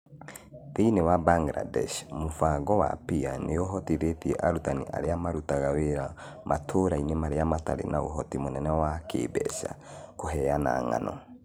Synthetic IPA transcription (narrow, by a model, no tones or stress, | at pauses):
θeinewabaŋɡɾa̰dɛʃmofaɡɔwa̰pianeoɦɔtiɾetiɛʔaɾutanḭʔa̰ɾeamaɾutaɣaweɾa | mʔatʰoɾainemaɾeamataɾḛnaoɦɔtimonɛnɛwakḛːbɛ̰ʃa̰ | koɦɛjana̰ːŋa̰nɔ̰